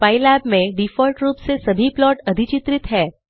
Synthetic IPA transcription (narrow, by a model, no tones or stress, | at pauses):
pailabmẽɖifɔlʈɾupsesəbʱiplɔʈəd̪ʱit͡ʃit̪ɾit̪ɦɛː